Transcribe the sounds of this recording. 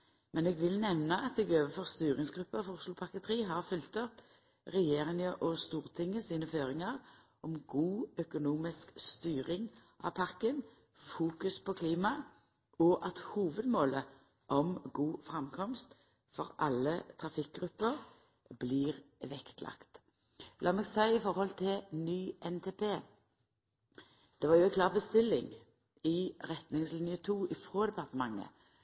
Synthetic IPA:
mɛneːɡʋɪlnɛʋnəʔɑt̪ɛɡøːʋəfɔʁst̪yːʁɪŋsɡɾʉpːəfʊʁslʊpʰɑkət̪ʰʁiːɦɑʁfʉlt̪ɔp | ʁɛjeːʁɪŋəʔɔst̪uːʁt̪ʰɪŋːəsiːnəføːɾɪŋɑʁ | ɔmɡuːœkʊnuːmɪskst̪yːʁɪŋʔɑ̰pʰɑʁkən | fuːkʉspʰɔkʰliːmɑ | ɔʔɑt̪huːʋəd̪moːlə | ʔɔmɡuːfʁɛmkʰɔmst̪ | fɔʁʔɑlːət̪ʰʁɑfɪk̚ːɡʁʉpːəʁ | bliːʁʋɛkt̪lʔɑ̰kt̪ | lɑːmeːɡsæɪɪfɔɾhɔlt̪ʰɪlnyːʔɛnt̪ʰeːpʰeː | d̪̥ɛʋɑːjʊɛkʰlɑːʁbəst̪ɪlːɪŋ | ɪʁɛt̪nɪŋslɪnɪət̪ʰuːʔɪfʁoːd̪ɛpɑʁt̪əmɑŋːə̰

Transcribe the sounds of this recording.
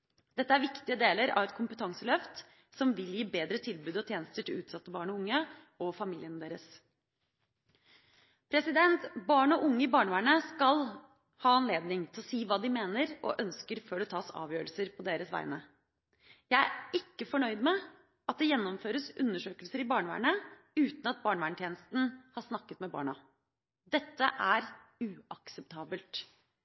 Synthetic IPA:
d̪̥ɛt̪ːəæɾʋɪkt̪ɪəd̪eːləɾɑ̰ʋɛt̪̚kʰʊmpət̪ʰɑŋsəlœft̪ | sɔmʋɪljiːbeːd̪ɾət̪ʰɪlbʉːd̪ɔt̪ʰjeːnəst̪əʈʰɪlʉːt̪sɑt̪ːəbɑːɳɔʊŋːə | ɔfɑmiːlɪənəd̪eːɾəs | pʰɾɛsɪd̪ɛnt̪bɑːɳɔʔʊŋːəɪbɑːɳəʋæːɳəskɑl | hɑːɑnleːd̪nɪŋt̪ʰɪlɔsiːʋɑːd̪ɪmeːnəɾɔ̰ʔœnskəɾføːɖɛt̪ʰɑːsɑ̰ːʋjøːɾəlsəɾpʰɔd̪eːɾəsʋæ̰ɪnə | jæɪæɪkːəfɔɳœʏd̪mɛ | ɑt̪̚d̪ɛjɛnːɔmføːɾəsʉnːəʂøːkəlsəɾɪbɑːɳəʋæ̰ːɳə | ʉːt̪n̩ɑt̪̚bɑːɳʋæːɳət̪jeːnəst̪n̩hɑʂnɑkːət̪mɛbɑ̰ːɳɑ | d̪ɛt̪ːəʔæɾʉːɑksɛpt̪ʰɑːbəlt̪

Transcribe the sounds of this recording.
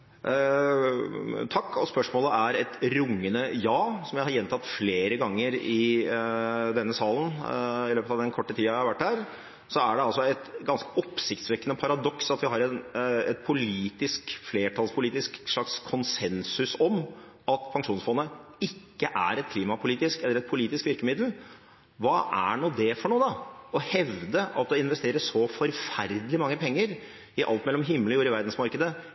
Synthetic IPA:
t̪ʰɑkːɔspœʂmoːləʔæɾɛt̪ɾʊŋːənəjɑːsɔmjæɪhɑɾjɛnt̪ʰɑt̪ːfleːɾəɡɑŋːəɾɪ | d̪ɛnːəsɑːlən̩ɪløːpət̪ɑʋd̪ɛnkʰɔʈːət̪ʰiːɑʋæɪhɑɾʋæʈːd̪æːɾ | sɔæɖɛɑlsɔɛt̪ɡɑnskəɔpːsɪkt̪sʋɛkːənɔpʰɑɾɑd̪ɔksɑt̪ʋɪɦɑɾɛnɛt̪̚pʰʊliːt̪ɪskfleːʈʰɑlspʰʊliːt̪ɪskʂɭɑkskʰɔnsɛnsʉsɔm | ɑt̪pʰɑŋʂuːnsfɔnːəɪkːəʔæ̰ɾɛt̪̚kʰliːmɑpʰʊliːt̪ɪskɛlːəɾɛt̪̚pʰʊliːt̪ɪskʋɪɾkəmɪd̪l̩ | ʋɑːʔæ̰ɳuːd̪ɛfɔɳuːd̪ɑɔhɛʋd̪əʔɑ̰t̪̚d̪ɛɪnʋɛst̪eːɾəsʂɔfɔɾfæɾd̪əlɪmɑŋːəpʰɛŋːəɾ | ɪʔɑ̰lt̪̚mɛlːɔmɦɪmːələjuːɾɪʋæɾd̪n̩smɑɾkəd̪ə

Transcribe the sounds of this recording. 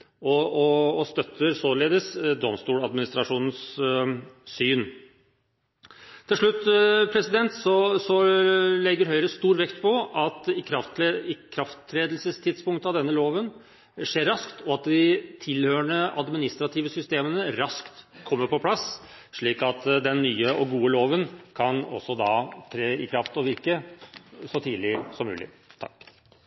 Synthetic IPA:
ɔɔːst̪œt̪ːəɾsoːleːd̪əsd̪ɔmst̪uːlɑd̪mɪnɪst̪ɾɑʂuːnn̩sː | yːn | t̪ʰːɪlʂɭʉt̪ːpʰɾɛsɪd̪ɛnt̪sɔsɔlɛɡːəɾɦœʏɾəst̪uːɾʋɛkt̪pʰɔʔɑt̪ɪkʰɾɑft̪ɪkʰɾɑft̪ʰɾeːd̪lsəst̪ʰɪd̪spʊŋkt̪əɑʋd̪ɛnːəloːʋən | ʂeːɾːɑskt̪ɔɑt̪̚d̪ɪt̪ʰɪlhøːɳəɑ̰d̪mɪnɪst̪ɾɑt̪ʰiːʋəsʏst̪eːmənəɾɑskt̪kʰɔmːəɾpɔpʰlɑs | ʂɭiːkɑt̪d̪ɛnːyːəʔɔɡuːəloːʋənkʰɑnɔ̰sːɔd̪ɑ̰t̪ʰɾeːɪkʰɾɑft̪ɔʋɪɾkə | sɔt̪ʰiːlɪsɔmːʉ̰ːlɪ̰ | t̪ʰɑ̰k

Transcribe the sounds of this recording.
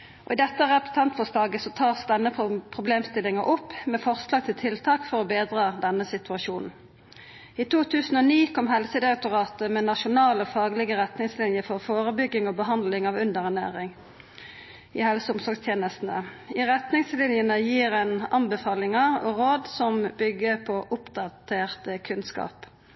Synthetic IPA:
ʔɔ̰ɪd̪ɛt̪ːəʁɛpsɛnt̪fɔslɑːɡəsɔt̪ʰɑːʁsd̪ɛnːəpʰʁʊbleːmst̪ɪlɪŋɑʔɔpːmɛfɔʁslɑːɡ̚t̪ʰɪlt̪ʰɪlt̪ʰɑːkfɔʁɔbeːd̪ʁɑːd̪ɛnːəsɪt̪ʉɑʃuːnn̩ | iːt̪ʰuːt̪ʰʉːsn̩ɔniːkʰɔmhɛlsəd̪ɪʁɛk̚t̪ʊʁɑːt̪əmɛnɑʃʊnɑːləfɑːɡlɪɡəʁɛt̪nɪŋslɪnjəfɔʁfoːʁəbʏɡːɪŋɔbəɦɑnd̪lɪŋɑʋʉnd̪əʁɛnæ̰ːʁɪŋ | ḭhɛlsəʊmsɔʁɡst̪ʰjeːnəst̪n̩əiʁɛt̪nɪŋslɪnjənəjiːʁɛnɑnbəfɑːlɪŋɑɔʁoːd̪sɔmbʏɡːəpʰɔʔʊpd̪ɑt̪ʰeːʁt̪əkʰʉnskɑ̰ːp

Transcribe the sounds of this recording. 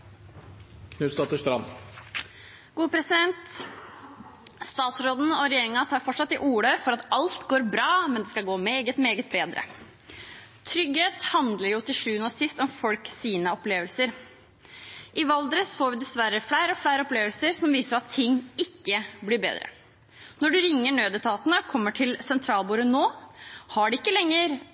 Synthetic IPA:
kʰnʉːst̪ɑt̪əʂt̪ɾɑm | ɡ̥uːəpʰɾɛsɪd̪ɛnt̪ | st̪ɑːt̪sɾoːd̪n̩ɔɾɛjeːɾɪŋɑt̪ʰɑːɾfɔʈʂɑt̪ːɪʔuːɽəfɔɾɑt̪ɑlt̪ɡoːɾbɾɑːmɛnd̪ɛskɑɡoːmeːɡət̪meːɡət̪̚beːd̪ɾə̰ | t̪ʰɾʏɡheːt̪hɑnd̪ləɾjʊt̪ʰɪlʂʉːnɔsɪst̪ɔmfɔlksiːnəɔpleːʋəlsəɾ | ʔɪʋɑld̪əɾəsfoːɾʋɪd̪ɛsʋæɾəflæɪɾəɔflæɪɾəɔpleːʋəlsəɾsɔmʋiːsəɾɑt̪ʰːɪŋːɪkːəblɪɾbḛːd̪ɾə̰ | nɔɖʉɾɪŋːəɳøːd̪ət̪ʰɑːt̪nəɔkʰɔmːəʈʰɪlsɛnt̪ʰɾɑːlbuːɾənoːhɑɖɪɪkːəlɛŋːəɾ

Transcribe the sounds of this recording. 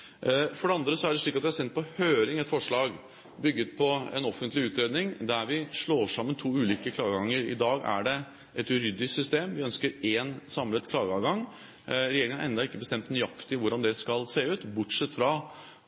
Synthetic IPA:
fɔɖɛɑnd̪ɾəsɔæɖɛʂɭiːk̪ːɑt̪ʋɪhɑsɛnt̪̚pʰɔhøːɾɪŋɛt̪fɔʂɭɑːɡ | bʏɡːət̪̚pʰɔɛ̰nɔfːənt̪lɪʉːt̪ɾeːd̪nɪŋd̪æɾʋɪʂɭoːʂɑmːənt̪ʰuːʉːliːkəkʰlɑːɡəɡɑŋːəɾɪ̰d̪ɑːɡæ̰ɖɛ | ʔɛt̪ʉɾʏd̪ːɪsʏst̪eːmʋɪœnskəɾeːnsɑmlət̪kʰlɑːɡəɑɡɑŋ | ɾɛjeːɾɪŋənʔɛnd̪ɑɪkːəbəst̪ɛmt̪nʏjɑkt̪ɪʋʊɾɖɑnd̪ɛskɑlseːəʉːt̪bʊʈʂɛt̪ːfɾɑ

